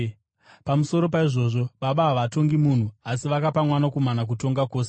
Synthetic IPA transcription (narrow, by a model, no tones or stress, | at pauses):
pamuso̞ɾo̞p̬aiʐo̞ːʐo̞ɓaɓaɦaʋato̞ŋɡimuːn̤uasiʋakapamwanakumanak̬uto̞ŋɡako̞ːs̬e